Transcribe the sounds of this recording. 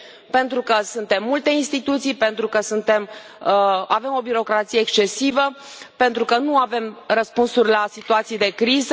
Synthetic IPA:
pe̞nt̪ɾukəsunt̪e̞mːult̪e̞inst̪it̪ut̪sijpe̞nt̪ɾukəsunt̪e̞m | ave̞mo̞biɾo̞kɾat̪sijeːkst͡ʃe̞sivə | pe̞nt̪ɾukənuave̞mrəspunsurʲlasit̪uat̪sijd̪e̞kɾizə

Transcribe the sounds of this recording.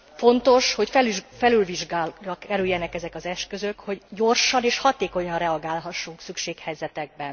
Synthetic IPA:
fo̞nt̪o̞ʃho̞cfɛlyʒfɛlylviʒɡaːrɒkɛɾyjːɛnɛkɛzɛkɒzɛʃkø̞zøkhoɟːo̞rʃɒneːʃhɒt̪eːko̞ɲɒnrɛɒɡaːlɦɒʃːuŋksykʃeːkhɛjzɛt̪ɛɡ̚bɛn

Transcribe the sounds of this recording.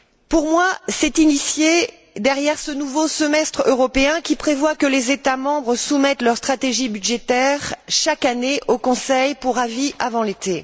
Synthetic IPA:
puʁmwasɛt̪inisje | d̪ɛʁjɛʁsənuvosəmɛst̪χøʁɔpeɛ̃kʲipχevwakəlezet̪amɑ̃bʁəsumɛt̪lœʁst̪χat̪eʒibyd̪ʒet̪ɛʁʃakaneʔokɔ̃sɛjpuʁaviʔavɑ̃let̪e

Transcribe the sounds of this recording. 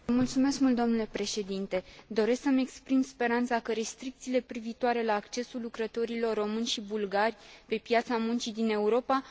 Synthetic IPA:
mult̪sume̞skmult̪d̪o̞mnule̞pɾe̞ʃe̞d̪int̪e̞d̪o̞ɾe̞sksəme̞kspɾimspe̞ɾant̪sakəɾe̞st̪ɾik̚t̪siːle̞pɾiviːt̪oaɾe̞laːkt͡ʃe̞sulːukɾət̪o̞ɾilo̞rːo̞mɨnʲʃibulɡarʲpe̞pjat̪samunt͡ʃid̪ine̞uɾo̞pa

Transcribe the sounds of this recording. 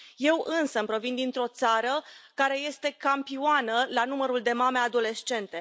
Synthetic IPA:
je̞wɨnsəmpɾo̞vind̪int̪ɾo̞t̪saɾəkaɾe̞je̞st̪e̞kampioanəlanuməɾuld̪e̞mame̞ad̪o̞le̞ʃt͡ʃe̞nt̪e̞

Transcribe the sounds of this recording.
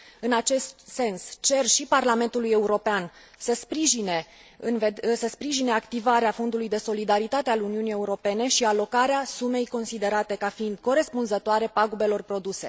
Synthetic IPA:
ɨnat͡ʃe̞st̪se̞nst͡ʃe̞rʃiparlame̞nt̪uluje̞uɾo̞pean | səspɾiʒine̞ | ɨnvesəspɾiʒine̞akt̪ivaɾeafo̞nd̪ulujd̪e̞so̞lid̪aɾit̪at̪ealuniunije̞uɾo̞pe̞ne̞ʃialo̞kaɾeasume̞jko̞nsid̪e̞ɾat̪e̞kafiind̪̥ko̞ɾe̞spunzət̪oaɾe̞paɡube̞lo̞rpɾo̞d̪use̞̰

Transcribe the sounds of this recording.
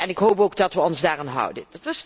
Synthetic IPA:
ɛnɪkɦowpowɡ̚dɑtʋəɔnzdaːraːnɦʌ̰wdə̰ndətʋɑs

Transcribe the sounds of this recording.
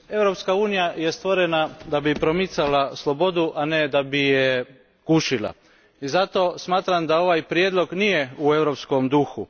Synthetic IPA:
e̞ʋɾo̞pskauːnijaje̞st̪ʋo̞ɾenad̪abipɾo̞mit̪salaslˠo̞bo̞d̪uʔaned̪abije | kuʃilˠa̰ | izat̪o̞smaːt̪ɾamd̪ao̞ʋajpɾjed̪lo̞ɡnije̞ue̞ʋɾo̞psko̞md̪uxu

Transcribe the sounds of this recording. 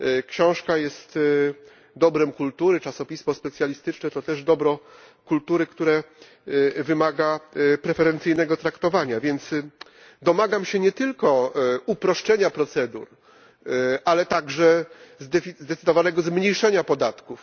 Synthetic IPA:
kɕɔ̃w̃ʂkajɛst̪ | d̪ɔbɾɛmkult̪uɾɘt͡ʂasɔpʲisfɔspɛt̪sʲjalʲist̪ɘt͡ʂnɛt̪ɔt̪ɛʐd̪ɔbɾɔ̃ | kult̪uɾɘkt̪uɾɛ | vɘmaɡapɾɛfɛɾɛnt̪sɘjnɛɡɔt̪ɾakt̪ɔvaɲavʲjɛnt̪s | d̪ɔmaɡamɕɛɲɛt̪ɘlkɔupɾɔʂt͡ʂɛɲapɾɔt̪sɛd̪ṵɾ | ʔalɛt̪aɡʐɛzd̪ɛzd̪ɛt̪sɘd̪ɔvanɛɡɔzmɲejʂɛɲapɔd̪at̪kuf

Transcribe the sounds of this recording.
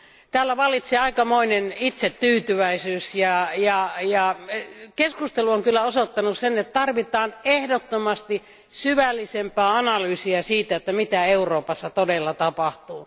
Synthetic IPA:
t̪æːlːæʋɑlit̪seɑikɑmoinenit̪set̪t̪yːt̪yʋæisyːsjɑjɑjɑkeskust̪eluoŋkylːæosot̪ːɑnussenet̪t̪ɑrʋit̪ɑːnehdot̪ːomɑst̪i | syʋælːisempˑɑːɑnɑlyːsiɑsiːt̪æet̪ːæmit̪æeuroːpɑsːɑt̪odelːɑt̪ɑpɑht̪uː

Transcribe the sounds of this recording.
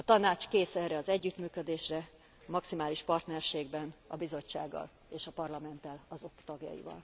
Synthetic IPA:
ɒt̪ɒnaːt͡ʃkeːsɛːɾɛɒzɛɟːyt̪myːkød̪eːʃrɛ | ɒmɒksimaːliʃpɒrt̪nɛrʃeːɡbɛnɒbizo̞t͡ʃːa̰ːɡːɒ̰l | eːʃɒpɒrlɒmɛnt̪ɛlɒzo̞kt̪ɒɡjɒ̰jḭvɒ̰l

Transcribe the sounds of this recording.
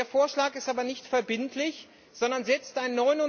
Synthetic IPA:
ɐfoːɐʃlaːkɪstaːbɐnɪçtfɛɐbɪntʰlɪç | z̥ɔndɐnzɛt͡stʔaɪnnːɔʏnʊ

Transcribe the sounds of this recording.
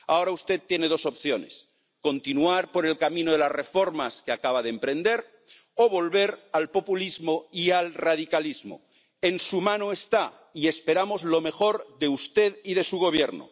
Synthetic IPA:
a̰o̞ɾaust̪e̞tt̪ːjene̞ð̞o̞so̞pθjo̞ne̞s | ko̞nt̪inuaɾpo̞ɾe̞lkamĩnoð̞e̞lasre̞fo̞ɾmaskeakaβ̞aðempɾẽ̞nd̪e̞ɾ | oβo̞lβe̞ɾalpo̞pulizmoialraðikalizmo̰ | e̞nsumãnoest̪a | ie̞spe̞ɾamo̞zlo̞me̞xo̞ɾðeust̪e̞ðiðe̞suɣo̞β̞je̞ɾno̰

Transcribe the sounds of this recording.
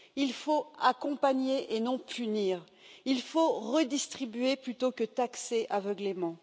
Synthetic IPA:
ilfoakɔ̃paɲeʔenɔ̃pʰyniːʁ | ilfoʁəd̪ist̪χibɥeplyt̪okət̪akseʔavəɡlemɑ̃

